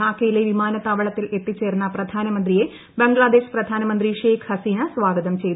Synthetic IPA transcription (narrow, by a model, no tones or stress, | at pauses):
aːkːɐjileʋimaːnɐt̪ːaːʋɐɭɐt̪ːile̞t̪ːit͡ɕːe̞ːrnːɐprɐd̪ʱaːnɐmɐnd̪rije̞ | beŋɡɭaːd̪e̞ːʂprɐd̪ʱaːnɐmɐnd̪riʂeːkhɐsiːnɐsʋaːɡɐðɐmt͡ɕe̞jt̪